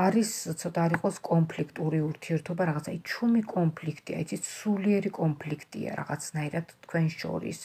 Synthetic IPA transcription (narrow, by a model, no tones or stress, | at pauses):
aɾist̪sʰɔt̪ʼaɾiqʼɔskʼɔmpʰlikʰt̪ʼuɾiuɾt̪ʰiɛɾt̪ʰɔbaɾaʁat̪sʰajt͡ʃʰumikʼɔnpʰlikʰt̪ʼia̰it̪sʰit̪suliɛɾikʼɔmpʰlikʰt̪ʼḭa̰ɾa̰ʁat̪sʰnaiɾad̪̥t̪ʰkʰwɛnʃɔ̰ɾḭs